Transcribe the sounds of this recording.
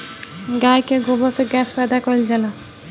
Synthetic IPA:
ɡajkeɡobɔɾseɡɛspad̪akɔild͡ʒala

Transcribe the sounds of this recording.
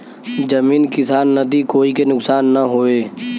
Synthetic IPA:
d͡ʒɐmiːnkɪsaːnːɐd̪ikoːikenʊksaːnːɐɦoːeː

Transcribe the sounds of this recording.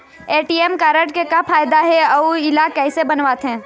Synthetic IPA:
eːʈiːemkaːɾəʈkekapʰaːjd̪aɦɛɐuɪlakɛːsebɐnʋaːt̪ɦɛ̃ː

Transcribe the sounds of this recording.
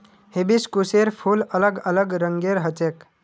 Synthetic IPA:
hebiskuseɾpʰuːlələɡələɡɾəŋɡeɾɦət͡ʃek

